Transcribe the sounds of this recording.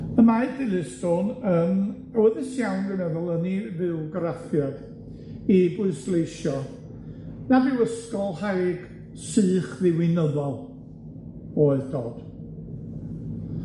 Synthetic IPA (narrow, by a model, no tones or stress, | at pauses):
əmadɪlɨsd̥onəːm | wɛðɪsjawnɡənɛðʊlˠənivɨwɡəɾafjɔd̥ | ibʊɨslˠejʃɔ | navɪwəskɔlˠhajɡ̥ | sɨːχðɪwɪnəvɔlˠ | oɨðdoːd̥